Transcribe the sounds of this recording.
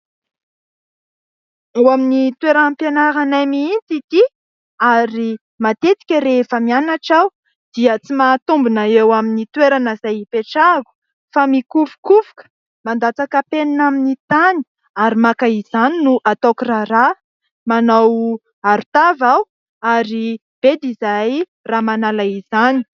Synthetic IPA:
awaminit̪weɾanpenaɾanajmiint͡sit̪i | aɾi | mat̪et̪i̥kʲəɾefəmianaʈ͡ʂaw | d̪̥iət͡simat̪umbunaewaminit̪weɾanəzajipeʈ͡ʂaɡu̥ | famikuvu̥kuvukə̥ | mand̪at͡sakəpeninaminit̪ani̥ | aɾimakaizaninuʔat̪okirara | manaw | aɾut̪avaw | aɾi | b̥ed̪izaj | ramanalaizani̥

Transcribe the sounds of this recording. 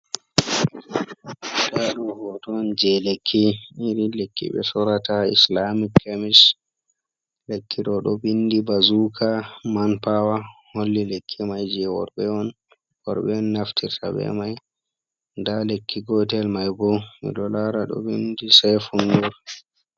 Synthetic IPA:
daɗɔhɔtɔnd͡ʒɛlekʰːiiɾilekʰːḭɓɛ̰sɔɾataḭslamikʰːamis | lekʰːiɗɔɗɔbindibazukʰamanpawaholːilekʰːimajd͡ʒɛwɔ̰ɾbɛɔn | wɔɾɓɛɔnːaftʰiɾtabɛ̰maj | ndalekːiɡɔtɛlmajbɔmḭlɔlaɾaɗɔ̰bindisɛfunɡɔɾ

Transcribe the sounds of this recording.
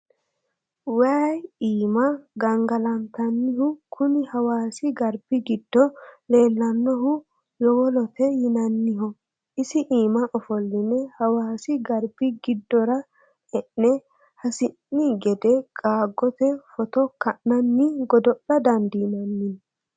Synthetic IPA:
waːjiːmɐɡɐŋɡɐlɐnt̪ɐnːɪɦʊkʰʊnɪhɐwaːsɪɡɐɾb̥ɪɡɪd̪̥ːɔleːlːɐnːɔhʊ | jɔwɔlɔt̪ɛjɪnɐnːɪɦɔ | ʔɪsɪʔiːmɐʔɔfɔlːɪnɛhɐwaːsɪɡɐɾb̥ɪɡɪd̪ːɔɾɐ | ɛʔːɛ | hɐsɪnːiɡɛd̪ɛkʼaːɡːɔt̪ɛfɔt̪ɔkɐʔnɐnːɪɡɔd̪ɔʔɐd̪ɐnd̪inɐnːɪn

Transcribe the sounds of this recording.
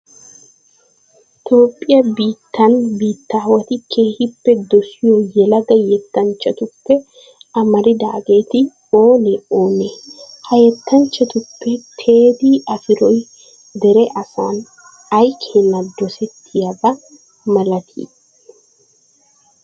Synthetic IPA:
t̪o̞ːpʼːɪjɐbiːt̪ːɐnbiːt̪ːaːwɐt̪ɪkʰe̞ːhɪpːɛd̪ɔsɪjojɛlɐɡɐjɛt̪ːɐnt͡ʃːɐt̪ʊpːɛ | ɐmɐɾɪd̪a̰ːɡe̞ːt̪ɪ | o̞ːnɛoːnehɐjɛt̪ʰːɐnt͡ʃːɐt̪ʊpːɛt̪ʰe̞ːd̪iːʔɐfɪɾɔj | d̪ɛɾɛʔɐsa̰ːn | ɐjkʰeːnːɐd̪ɔsɛt̪ʰːɪjɐbɐ | mɐlɐt̪ʰḭː

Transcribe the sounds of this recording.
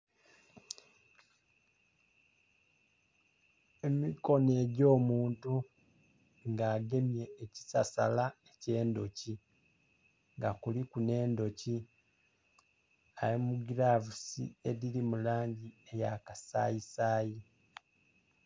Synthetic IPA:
e̞miko̞ne̞ːɟo̞ːmuːntu | ŋɡaːɡe̞mje̞ːci̥sasa̰laece̞ːndo̞ci | ŋɡakulikune̞ːndo̞ci | ajemuɡiɾavusḭeðilimulaːɲɟiejakasa̰jisaːji

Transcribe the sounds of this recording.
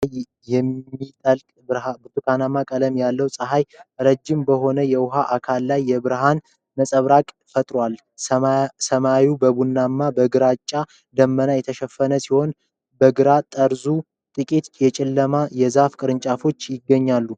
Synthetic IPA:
j | jɛmːit̪ʼəlkʼabɨt̪ʰukʰanamakʼələmjalːəwsʼəɦajɾəd͡ʒːɪmbəɦo̞nəjɛwʊɦaʔakʰalːajːɛbɨɾɦan | məsʼəβɾakʼ | fət̪ʼɾwal | səmawubəβunːamːabəɡɨɾat͡ʃʼːa | d̪əmːənajɛt̪ʰəʃɛfːənəsiho̞n | bəɡɨɾat̪ʼəɾzu | t̪ʼɨkʼit̪jɛt͡ʃʼɪlːəmajɛzafkʼɨɾɨnt͡ʃʼafo̞t͡ʃːjɪɡːəɲːalːu

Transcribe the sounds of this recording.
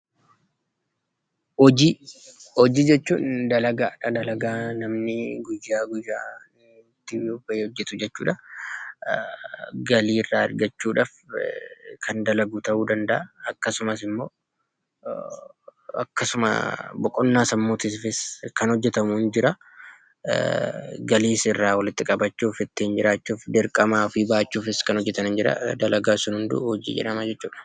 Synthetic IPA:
ɔd͡ʒihɔd͡ʒiːd͡ʒɛt͡ʃːṵːnd̪ɐlɐɡaːᶑɐd̪ɐlɐɡaːnɐmnɪɡʊjːaːɡʊjːaːn | t̪ːɪbɐjeːɔd͡ʒːɛt̪ʊd͡ʒɛt͡ʃːuːᶑɐ | ɡɐliːrːaːɐɾɡɐt͡ʃːuːᶑaːf | kʰɐnd̪ɐlɐɡuːt̪ɐʔuːd̪ɐnd̪ɐʔɐːkːɐsʊmɐsɪmːo̞ː | ɐkːɐsʊmɐ̰bɔkʼːɔnːaːsɐmːoːt̪ɪsfɪskɐnhɔd͡ʒːɛt̪ɐmund͡ʒɪɾɐ | ɡɐliːsɪrːaːwɐlɪt̪ːɪkʼɐbɐt͡ʃːuːfɪt̪ːɪːnd͡ʒɪɾaːt͡ʃːuːfd̪ɪɾkʼɐmaːfiːbaːt͡ʃːuːfɪskɐnhɔd͡ʒːɛt̪ɐnɪnd͡ʒɪɾɐ̰d̪ɐlɐɡaːsʊnhʊnd̪ʊ̰hɔd͡ʒḭːd͡ʒɛ̰ᶑɐmɐd͡ʒɛt͡ʃːuːᶑɐ̥

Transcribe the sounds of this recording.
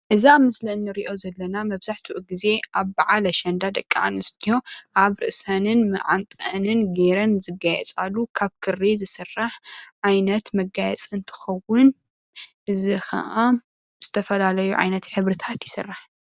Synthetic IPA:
ʔɨzamɨslɐnːɨɾiʔo̞zɐlːɐnamɐβzaħt̪ʰuʔuɡize̞ʔaβbaʕalɐʃɐnd̪ad̪ɐkʼːa̰a̰nɨst̪ʰiho̞ʔaβɾɨ̰ʔsɐnɨnmɨ̰ʕant̪ʼɐnɨnɡeɾɐnzɨɡajɛ̰t͡sʼalːukʰaβkʰɨrːizɨsɨrːaħʕajnɐt̪mɐɡajɛt͡sʼɨnt̪ʰɨ̥xɐwʊn | ʔɨzixɐ̰ʔa | z̥ɨt̪ʰɐfɐlalɐjuʕa̰jnɐt̪ħɨβɾɨt̪ʰat̪jɪsɨrːaħ

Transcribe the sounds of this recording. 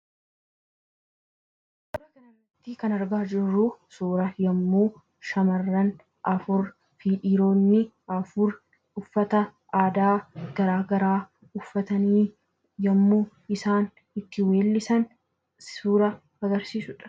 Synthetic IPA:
bɐɾɐɡɐnɐnɐt̪ːikɐnɐɾɡaːd͡ʒɪrːusuːɾɐjɐmːuː | ʃɐmɐrːɐn | ʔɐfʊɾ | fiːᶑiːɾo̞ːnːɪ | ɐfʊɾ | ʊfːɐt̪ɐ | aːd̪aːɡ̥ɐɾaːɡɐɾaː | ʊfːɐt̪ɐniː | jɐmːuː | ɪsaːn | ɪt̪ːɪwe̞ːlːɪsɐn | suːɾɐ | ɐɡɐɾsiːsʊᶑɐ̥

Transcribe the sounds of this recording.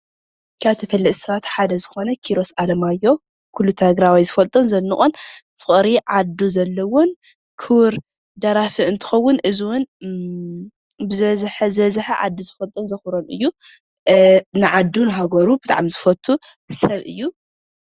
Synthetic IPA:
kʰaβt̪ʰɐfɐlːɐt̪ʼsɐβat̪ħad̪ɐzɨxo̞nɐkʰiɾo̞salɐmajːo̞ | kʰulːut̪ʰɐɡɾawizɨfɐlt̪ʼɐnzɐnːɨχʼon | fɨχʼɾiʕad̪uzɐlːɐwon | kʰɨwɾ | d̪ɐɾafɨɨnt̪ʰɨ̥xɐwːʊnʔɨziwʊn | bɨzɐzħɐzɐzɨħɐʕa̰d̪ːizɨfɐlt̪ʼɐnzɐxuɾonʔɨ̰jːu | nɨʕad̪ːunɨɦaɡɐɾubɨt̪ʼa̰ʕamzɨfɐt̪ʰːu | sɐβʔɨ̰jːu

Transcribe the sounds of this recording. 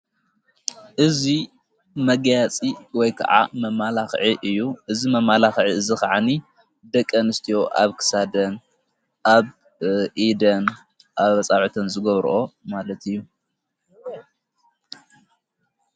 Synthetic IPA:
ʔɨzi | mɐɡjat͡sʼiwɔjkʰɐ̰ʕa̰mɐmalaxʕiʔɨjːuʔɨzimɐmalaxʕiɨzikaʕani | d̪ɐkʼːɐnɨst̪ʰijo̞ʔaβkʰɨ̥sad̪ɐn | ʔaβ | ʔid̪ɐn | ʔaβɐt͡sʼaʕut̪ʰɐnzɨɡɐβɾʔo̞malɐt̪ʰɨjːu

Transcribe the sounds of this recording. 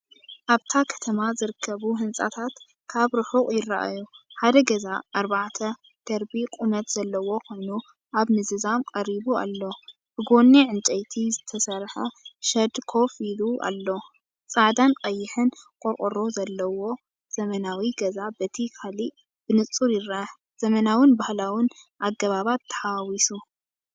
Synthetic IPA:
ʔaβt̪ʰakʰɐ̥t̪ʰɐmazɨɾɨkʰːɐβuɦɨnsʼa̰t̪ʰat̪ | kʰaβɾɨħukʼjɪrːa̰ʔa̰juħad̪ɐɡɐzaʔːɾbaʕt̪ʰɐ | d̪̥ɐɾbikʼumɐt̪z̥ɐlːɐwo̞kʰo̞jnu | ʔaβmɨzɨzamkʼɐɾiβua̰lːo̞ | b̥ɨɡo̞nːiʕɨnt͡ʃʼɐjt̪ʰizɨt̪ʰɐsɐɾħɐʃɐd̪kʰo̞filuʔa̰lːo̞ | t͡sʼaʕd̪ankʼɐjːɪħɨnkʼoɾkʼoɾozɐlːɐwo̞ | z̥ɐmɐnawiɡɐzabɐt̪ʰikʰali | b̥ɨnɨt͡sʼuɾjɪɾaħ | z̥ɐmɐnawɨnbahlawɪnʔaɡɐβaβat̪ʰːɐ̥ħawisu

